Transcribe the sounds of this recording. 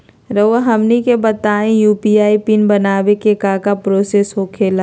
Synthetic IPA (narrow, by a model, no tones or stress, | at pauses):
ɾəʋaɦɐmnikebɐt̪aːẽjuːpiaːipinbɐnaːʋekekaːkapɾoːseːsɦokʰeːla